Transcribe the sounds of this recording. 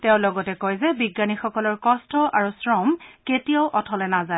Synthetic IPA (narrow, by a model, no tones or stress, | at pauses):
teʊ̃lɔɡɔtɛkojzɛbiɡːanixɔkɔlɔɹkɔstɔʔaɹusɹɔmketijaʊʔɔtʰɔlɛnaza